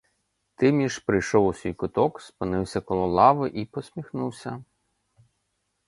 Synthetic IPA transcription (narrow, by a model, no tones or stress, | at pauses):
t̪ɪmʲiʃpɾɪjʃɔwʊsʲijkʊt̪ɔkspɪnɪwsʲɐkɔlˠɔlˠɑʋɪʔipɔsʲmʲixnuwsʲɐ